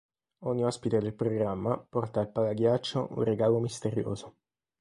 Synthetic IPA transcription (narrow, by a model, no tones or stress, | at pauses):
ɔɲːiɔspit̪ed̪elpɾoɡɾamːapɔrt̪aːlpalaɡjat͡ʃːo̰ʔṵnreɡaːlomist̪eɾjo̰ːzo